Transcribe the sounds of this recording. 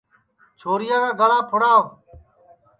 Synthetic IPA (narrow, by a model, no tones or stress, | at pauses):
t͡ʃʰoːɾɪjãːkaːɡəlãːpʰʊɽaː